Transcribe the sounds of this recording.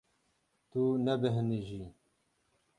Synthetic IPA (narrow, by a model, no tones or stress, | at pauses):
t̪unɛbɨɦɨniʒi